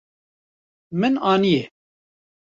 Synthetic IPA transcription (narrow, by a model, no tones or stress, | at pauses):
mɨnaːnijɛ